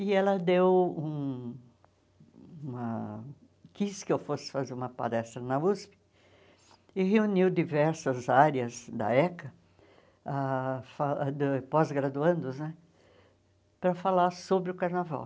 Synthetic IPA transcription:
ɪɛlɐd̪ewũ | umɐ | kiskɪewfosɪ̥fazeɾũmɐpa̰lɛst̪ɾɐnɐuspɪ̥ | ɪɦeuniwd̪ivɛɾsɐzaɾɐzd̪ɐ̰ɛkɐ | afad̪ɪpɔzɡɾad̪uɐ̃nd̪ʊznɛ | pɾɐfalaɾsobɾɪʊkaɾnava̰w

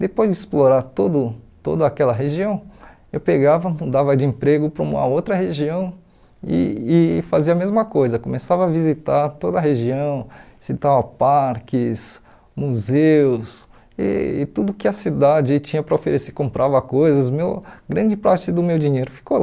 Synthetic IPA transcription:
d̪epojzd͡ʒɪisploɾaɾt̪od̪ʊt̪o̰d̪ɐakɛlɐɦeʒiɐ̃w̃ | ewpeɡavɐmũd̪avɐd͡ʒɪẽpɾeɡʊpɾɐũmɐ̰owt̪ɾɐɦeʒiɐ̃w̃ | ɪ̰ːfaziɐmezmɐkojzɐkõmesavɐːvizit̪aɾt̪od̪ɐɦeʒiɐ̃w̃sit̪avɐpaɾkɪs | muzeʊs | ɪ̰t̪ud̪ʊkɪɐsid̪ad͡ʒɪt͡ʃĩɲɐpɾɐofeɾesekõmpɾʔavɐkojzɐsmewɡɾɐ̃d͡ʒɪpɾat͡ʃɪd̪ʊmewd͡ʒĩɲejɾʊfi̥ko

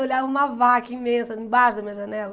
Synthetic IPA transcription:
oʎaũmɐvakɐĩmẽsɐĩbaʃd̪ɐmĩɐʒɐnɛlɐ

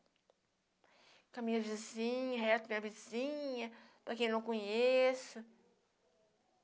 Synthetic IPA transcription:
kɐmĩɲɐvizĩɲɐɦɛt̪ɐmĩɲɐvizĩɲɐpɾɐkẽj̃nɐ̃w̃kõɲesʊ

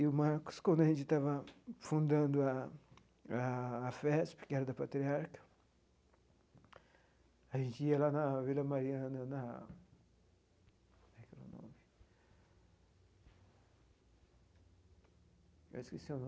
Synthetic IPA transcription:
ʊmaɾkʊ̥skwɐ̃nd̪ʊɐʒẽnt͡ʃɪt̪avɐfũnd̪ɐ̃nd̪ʊa | aːfɛspɪ̥kɪɛɾɐd̪ɐpat̪ɾiaɾkɐ̥ | ɐʒẽnt͡ʃɪiɐlanɐvilɐmaɾiɐ̃nɐnɐ | aklo̰nõ̰mɪ | ɛ̰skesewn

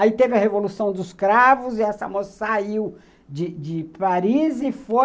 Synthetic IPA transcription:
ait̪evɪɐhevolusɐ̃w̃d̪ʊskɾavʊzɪɛsɐ̰mosɐ̥saiw | d͡ʒɪd͡ʒɪpaɾizɪfo

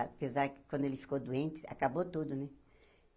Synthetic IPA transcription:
pezaɾkɪ̥kwɐ̃nd̪ʊelɪfi̥kod̪uẽnt͡ʃɪ̥a̰kabot̪ud̪ʊnɛ

